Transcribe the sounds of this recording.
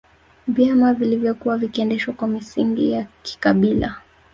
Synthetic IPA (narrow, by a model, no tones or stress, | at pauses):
vjamavilivjɔkuwavikiɛndɛʃwakwamisiŋɡijaki̥kaɓila̰